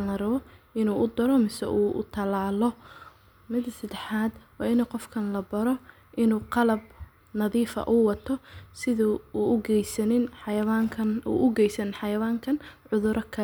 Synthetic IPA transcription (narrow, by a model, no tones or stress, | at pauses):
lɐrɐβɔʔɪnuːʔʊd̪ɐɾɔmɪsɛ̰ʔuːʊ̰t̪ʰɐlaːlɔ | mɪd̪ɐsɐd̪ɛħaːd̪wɑːɪnuqɔfkʰɐnlɐbɐɾɔ | ʔɪnuːqɑlɐb̚ | nɐðiːfɐ̰ʔʊwɑt̪ʰɔsɪðʊuːʊɡɛjsɐnɪnħɑjɐβaːŋkʰɐnṵːʔʊɡɛjsɐnɪnħɑjɐwaːŋkʰɐnʕʊðʊɾʔɔkʰɐ